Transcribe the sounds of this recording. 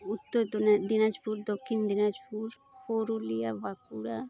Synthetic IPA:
ʊt̪ːod̪onad̪inad͡ʒpuːɾd̪oːkʰind̪ɪnad͡ʒpuɾ | fʰoːɾulijaʋaːkuɽa

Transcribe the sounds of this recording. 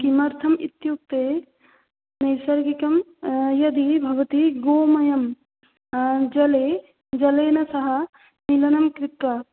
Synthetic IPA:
kimɐɾt̪ʰɐmḭt̪juk̚t̪eː | nɐjsɐɾɡikɐmjɐd̪ibʱɐʋɐt̪iɡoːmɐjɐm | d͡ʒɐleː | d͡ʒɐleːnɐsɐɦɐ | nilɐnɐmkɾɪt̪ːɐ

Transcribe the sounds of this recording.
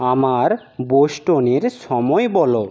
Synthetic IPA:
amaɾ | boʃʈoneɾʃɔmɔebɔlo

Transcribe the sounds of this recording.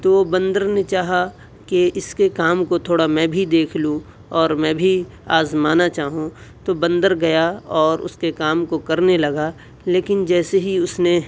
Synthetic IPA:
t̪oːʋobɐ̃nd̪əɾnet͡ʃaːɦa | keɪskekaːmkot̪ʰoːɽamɛ̃ːbʱid̪eːkʰlũ | ɔːɾmɛ̃ːbʱi | aːzmaːnat͡ʃaːɦũt̪obɐ̃nd̪əɾɡɐjaɔːɾʊ̰skekaːmkokɐɾnelɐɡa | leːkɪnd͡ʒɛːseɦiʊsne

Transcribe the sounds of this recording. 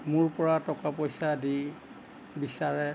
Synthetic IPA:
mʊɹpɔɹatɔkapojsadi | bisaɹɛ

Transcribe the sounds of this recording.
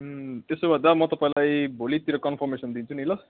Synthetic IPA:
t̪esobʱad̪amʌt̪ʌpãĩlajbʱolit̪iɾʌkʌnpʰʌrmesʌnd̪int͡sʰunilʌ

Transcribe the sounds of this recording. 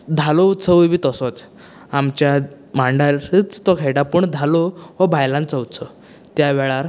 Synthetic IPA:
d̪ʱalɔut̪t͡səʋʋiːt̪əsɔt͡s | amt͡ɕja | maɳɖait͡st̪ɔkʰeɽapəɳd̪ʱaloʋɔbʱajlãnt͡sɔut̪sʰɔ | t̪jaʋɛɭaɾ

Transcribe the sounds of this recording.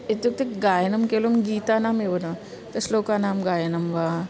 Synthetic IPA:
ed̪ukt̪ekɡajnəmkelomɡit̪anamebəno | t̪əslokanamɡajnəmʋa

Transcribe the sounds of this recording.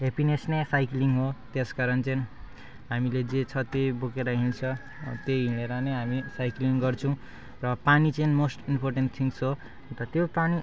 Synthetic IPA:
ɦepinesnesajkliŋɡɦot̪eskaɾʌnt͡sʌjn | ɦamiled͡zet͡sʰʌt̪ejbokeɾʌɦint͡sʰʌ | t̪eɦineɾʌneɦamisajkliŋɡʌrt͡sʰʌw̃ | rʌpanit͡sʌjnmosʈimpʰorʈenʈt̪ʰiŋsɦo | nt̪ʌt̪jopani

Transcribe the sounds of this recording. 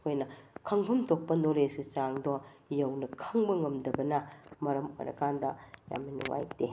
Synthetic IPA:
hojnɐkʰɐŋhɐmtʰok̚pɐnolesit͡ʃaŋdojɐwnɐkʰɐŋbɐŋɐmdɐbɐnɐmɐɾɐmo̰jɾɐ̰kʰandɐja̰mnɐnuŋa̰jte

